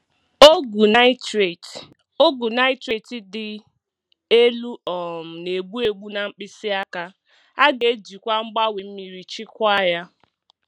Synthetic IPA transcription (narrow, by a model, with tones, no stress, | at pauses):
o˦ɡu˨na˦ɪ˦tɾe˨t | o˦ɡu˨na˦ɪ˦tɾe˨ti˦dɪ˨ | e˦lu˦ɔ˨m̩˨ne˨ɡ͡bu˦e˨ɡ͡bu˦na˨ŋ͡m̩˦k͡pɪ˦sɪ˦a˦ka˦ | a˦ɡe˨˦d͡ʒi˨kʷa˦ŋ͡m̩˦ɡ͡ba˦we˨m̩˦mi˨ɾi˨t͡ʃi˦kʷa˦ja˦